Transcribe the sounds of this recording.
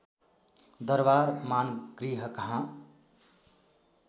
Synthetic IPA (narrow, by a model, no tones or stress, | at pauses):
d̪əɾbaɾmaːnɡɾiɦəkəɦã